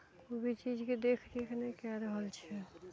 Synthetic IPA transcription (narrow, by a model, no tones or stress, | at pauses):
obʱit͡ʃid͡ʒked̪ekʰd̪ekʰnekjaɾəɦəlt͡ʃʰɛ